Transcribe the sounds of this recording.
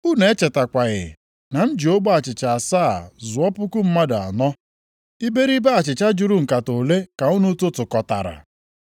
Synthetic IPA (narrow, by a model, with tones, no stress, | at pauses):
u˦ne˨e˦t͡ʃe˨ta˨kʷa˨ɣɪ̰˨ | na˨n̩˦d͡ʒi˨o˦ɡ͡ba˨t͡ʃɪ˨t͡ʃa˨a˨saː˦˨zʊ˨ɔ˦pʊ˦kʊ˦m̩˦ma˦da̰˨nɔ˦ | i˦be˦ɾi˦be˦a˨t͡ʃɪ˨t͡ʃa˦d͡ʒu˨ɾu˦ŋ̩˨ka˨to˨le˦ka˨ʊ˦nu˦tʊ˦tʊ˨kɔ˨ta̰˨ɾa̰˨